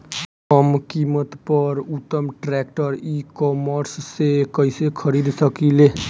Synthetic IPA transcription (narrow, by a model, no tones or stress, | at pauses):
kəmkimət̪pəɾut̪ːəmʈɾɛk̚ʈəɾikɔməɾsːekəjsekʰəɾid̪səkile